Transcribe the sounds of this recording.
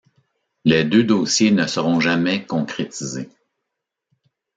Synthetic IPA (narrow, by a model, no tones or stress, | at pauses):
lɛd̪ød̪oːsjenəsəʁɔ̃ʒamɛkɔ̃kχet̪ize